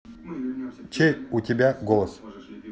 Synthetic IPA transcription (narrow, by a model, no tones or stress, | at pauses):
t͡ɕeutʲebʲaɡolˠəs